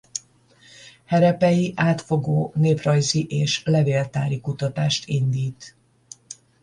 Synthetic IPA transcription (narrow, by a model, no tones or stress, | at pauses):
hɛɾɛpɛjiʔaːt̪fo̞ɡoːneːprɒjziʔeːʃlɛveːlt̪aːɾikut̪ɒt̪aːʃt̪ʰind̪iːt̪